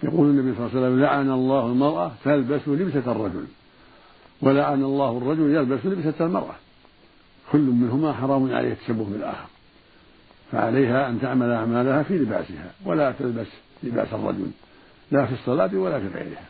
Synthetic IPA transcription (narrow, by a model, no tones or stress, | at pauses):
jɑquːlanːabijsˤlːɑsalːamlaʕanalˤːɑːhalmɑɾˤʔat̪albaslɪbsarˤːɑd͡ʒʊ̰l | walaʕanalˤːɑːhɑrˤːɑd͡ʒʊljalbaslɪbsalmɑ̰ɾˤʔa̰ | kʰʊlːʊmmɪnɦʊmaħɑɾˤɑːmʊnʕa̰ʔḛːhat̪ːḁsabːʊkbɪlʔa̰ːxɑɾ | fa̰ʕa̰lajɦaʔant̪aʕmalʔaʕmaːlahafiːlɪba̰ːsɪha̰walat̪albaslɪba̰ːsɑ̰rˤːɑ̰d͡ʒʊ̰l | laːfisˤːɑlaːt̪walafiːɣa̰jɾɪ̰ha